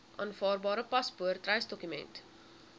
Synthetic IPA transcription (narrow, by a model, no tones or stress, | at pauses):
ʔɑ̰ːnfɑːrbɑːɾəpɐspuərtrɛjsdɔkymɛ̰nt